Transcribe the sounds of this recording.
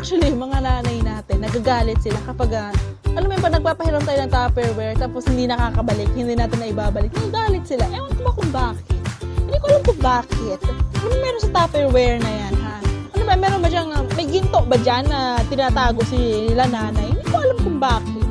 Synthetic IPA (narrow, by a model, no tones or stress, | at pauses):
ak̚t͡ʃʊɐlimɐŋanaːnɐjnaːt̪ɪnːɐɡaɡaːlɪt̪sɪlakɐpaɡɐ | ʔɐnomɐjʊmpɐnɐɡ̚paːpɐhɪɾont̪aːjoɐŋt̪afɛɹwɛɹt̪aːposhɪnd̪inɐkaːkɐbɐlɪkhɪnd̪iːnaːt̪ɪnːɐʔɪbaːbɐlɪk̚nɐɡaɡaːlɪt̪̚sɪlaʔɛɐnk̪obɐkʊŋbaːkɪt̪̚nhɪd̪iːkoʔɐlamkʊŋbaːkɪt̪̚ɐnmɐmɛːɾonsɐt̪afɛɹwɛɹnɐjanhaʔɐnobɐmɛːɾonbɐd͡ʒaŋɐmɐjɡɪnt̪oʔbɐd͡ʒanːɐt̪ɪnaːt̪aːɡo̞ʔsɪɪlanaːnɐjhɪnd̪ikoʔɐlamkʊŋbaːkɪt̪̚